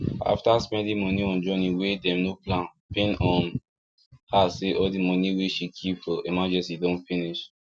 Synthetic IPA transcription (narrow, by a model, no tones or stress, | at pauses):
a̰ftasmɛ̃dimɔniɔ̃nd͡ʒɔ̃niwedɛ̃mnoplãn | pĩnɔ̃n | haseʔɔldimɔniweʃikʰipfɔemad͡ʒɛ̃sidõntfiniʃ